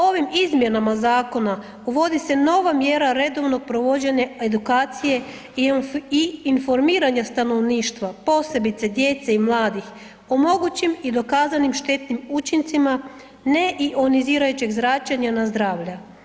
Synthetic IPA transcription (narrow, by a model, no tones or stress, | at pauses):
o̞ʋimizmʲje̞namazaːko̞na | uʋo̞d̪ise̞no̞ʋamje̞ɾaɾe̞d̪o̞ʋno̞ɡ̚pɾoʋo̞d͡ʑeɲae̞d̪ukaːt̪sije̞ | iːnfo̞ɾmiːɾaɲast̪ano̞ʋniːʃt̪ʋapo̞ːse̞bit̪se̞d̪je̞t̪seimlˠaːd̪ix | o̞mo̞ɡut͡ɕimid̪o̞kaːzanimʃt̪e̞t̪nimut͡ʃint̪sima | ne̞ʔiʔoniziːɾajut͡ɕeɡzɾat͡ʃaɲanazd̪ɾaːʋʎa